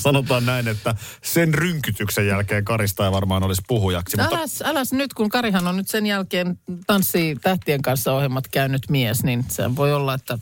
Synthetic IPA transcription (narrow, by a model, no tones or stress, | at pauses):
sɑnot̪ɑːnnæinet̪ːæ | senryŋkyt̪yksejjælkeːŋkɑɾist̪ɑiʋɑrmɑːnolispuɦujɑksimuælæsælæsnyt̪kuŋkɑɾiɦɑnonnyt̪senjælkeːnt̪ɑnsːiːt̪æht̪ieŋkɑnsːɑohjemːɑt̪kæynyt̪miesninsḛhæ̰ʋʋoiolːɑet̪ːæ